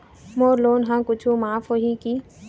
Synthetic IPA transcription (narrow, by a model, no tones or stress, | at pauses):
moːɾloːnɦãːkʊt͡ʃʰũːmaːfɦoːɦiːkiː